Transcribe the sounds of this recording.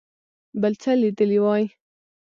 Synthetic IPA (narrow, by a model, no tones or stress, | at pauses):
balt͡salid̪əliwɑji